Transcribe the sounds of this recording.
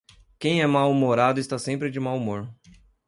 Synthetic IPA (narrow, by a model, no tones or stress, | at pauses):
kẽj̃ɛmawmoɾad̪ʊɪst̪asẽmpɾɪd͡ʒɪmawumoɾ